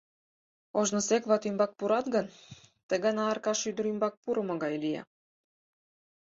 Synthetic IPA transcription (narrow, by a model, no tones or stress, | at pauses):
oʒnosekβɑt̪ymbɑk̚puɾɑt̪ɡənt̪əɣɑnɑːrkɑʃyd̪əɾymbɑk̚puɾə̆mŏɣɑjlijɑ̰